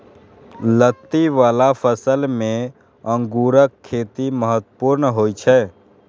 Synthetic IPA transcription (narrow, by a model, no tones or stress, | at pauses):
lət̪ːiʋaːlapʰəsəlmẽ | ə̃ŋɡuɾəkʰːeːt̪iməɦət̪ːpuːɾnɦoːit͡ʃʰɛ